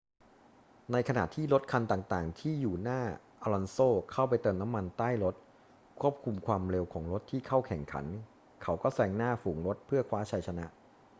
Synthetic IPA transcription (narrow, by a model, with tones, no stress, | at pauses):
na˧jkʰa˧naː˨˩t̪ʰiː˥˩ɾo˦˥t̪̚kʰa˧nt̪aː˨˩ŋt̪aː˨˩ŋt̪ʰiː˥˩juː˨˩naː˥˩ | ʔa˧lɔ˧nsoː˥˩kʰa˥˩wp̬a˧jt̪ɤː˧na˦˥mːa˧nt̪aː˥˩jɾo˦˥t̪̚ | kʰu˥˩əp̚kʰu˧mkʰwaː˧mɾe˧wkʰɔː˩˦ŋɾo˦˥t̪ʰːiː˥˩kʰa˥˩wkʰɛ˨˩ŋkʰa̰˩˦n | kʰa˦˥wkɔː˥˩sɛː˧ŋnaː˥˩fuː˩˦ŋɾo˦˥t̪̚pʰɯ˥˩ɐkʰwaː˦˥t͡ɕʰa˧jt͡ɕʰa˧na˦˥ʔ